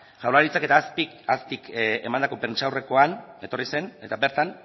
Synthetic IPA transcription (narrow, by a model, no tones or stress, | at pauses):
ʝawlaɾit͡sake̞t̪aːspikaspike̞̰mand̪akope̞nt͡ʃawre̞ko̞ane̞t̪o̞rise̞ne̞t̪abe̞ɾt̪an